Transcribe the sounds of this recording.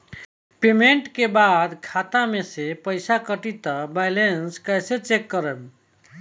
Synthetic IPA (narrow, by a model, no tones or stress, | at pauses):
pemeɳʈkebad̪kʰat̪amesepəjsakəʈit̪əbajlenskəjset͡ʃekːəɾəb